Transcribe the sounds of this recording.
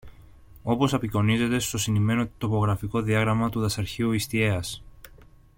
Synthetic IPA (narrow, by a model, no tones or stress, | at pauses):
o̞po̞sɐpiko̞nize̞t̪e̞st̪o̞sinime̞no̞t̪o̞po̞ɣɾɐfiko̞ðiɐɣɾɐmɐt̪uðɐsɐɾçiuist̪ie̞ɐs